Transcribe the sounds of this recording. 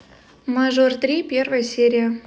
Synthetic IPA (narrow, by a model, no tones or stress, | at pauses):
maʒort̪rʲipʲervəjsʲeɾʲija